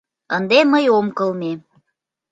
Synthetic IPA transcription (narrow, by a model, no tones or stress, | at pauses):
ənd̪eməjomkəlme